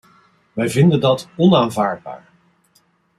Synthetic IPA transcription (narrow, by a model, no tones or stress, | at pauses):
ʋɛjvɪndəndɑtɔnaːnvaːɹd̚ba̰ːɹ